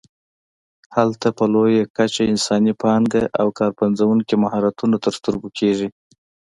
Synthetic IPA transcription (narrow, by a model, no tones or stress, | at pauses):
halt̪apəlojakat͡ʃaɪnsɑnipɑŋɡaʔawkɑɾpanzawuŋkimahɑɾat̪unat̪əɾst̪uɾbukʰeʐi